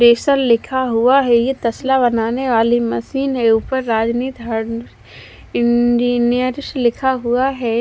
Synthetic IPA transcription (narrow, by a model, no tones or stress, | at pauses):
ɾeːsəllɪkʰaɦuaɦɛjet̪ɐslabɐnaːneʋaːlimɐsiːnɦeupəɾːaːd͡ʒniːt̪ɦɐ | ɪ̃nd͡ʒiːnijəɾɪslɪkʰaɦuaɦɛː